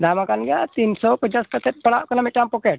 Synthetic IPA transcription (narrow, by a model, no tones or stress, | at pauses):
d̪amakanɡʱjat̪iːnsɔpəɲt͡ɕaskəseʈ̚pəɽakəlamiʈampɔkeʈ̚